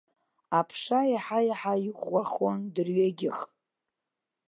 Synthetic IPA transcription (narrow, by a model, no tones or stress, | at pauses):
apʰʂajiħajaħaiʁaχondɨrɥeɡʲɪχ